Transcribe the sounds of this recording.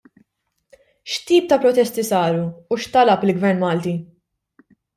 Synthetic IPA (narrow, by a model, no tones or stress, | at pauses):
ʃt̪iːp̚t̪ɐpɾɔt̪ɛst̪isɐːɾuːʃt̪ɐlɐpɪlɡvɛɾnmɐːlt̪i